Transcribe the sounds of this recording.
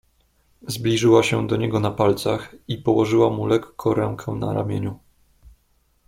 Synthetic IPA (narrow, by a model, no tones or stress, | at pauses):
zblʲiʐɘwaɕɛd̪ɔɲɛɡɔnapalt̪saxipɔwɔʐɘwamulɛkːʰɔɾɛŋkʰɛna̰ɾa̰mʲjeɲu